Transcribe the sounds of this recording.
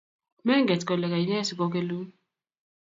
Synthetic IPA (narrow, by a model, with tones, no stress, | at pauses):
mɛ˦ŋɡɛ˨tkɔ˨lɛ˨ka˨i˨˦ɲɛ˦si˨kɔ˦k̬e˦lu˦